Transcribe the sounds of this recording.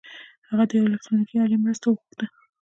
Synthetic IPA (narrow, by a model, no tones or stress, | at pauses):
haɣad̪əɪlɛk̚t̪ɾunikiɑlimɾəst̪awəɣuxd̪̥a